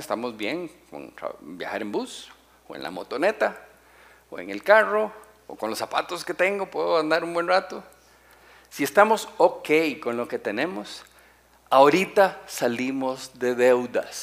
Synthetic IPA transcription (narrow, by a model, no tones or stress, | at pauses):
est̪amozbje̞ŋko̰na̰bja̰xaɾembus | oḛnla̰mo̰t̪o̞ne̞t̪a | oḛŋe̞lkaro̞̰ː | ko̞nlosapa̰t̪oske̞t̪e̞ŋɡo̞pweðoand̪aɾumbwe̞nrat̪o | sie̞st̪amo̞soke̞jko̞nlo̞ke̞t̪e̞nẽ̞mos | aoɾit̪asalimozðe̞ðe̞wðas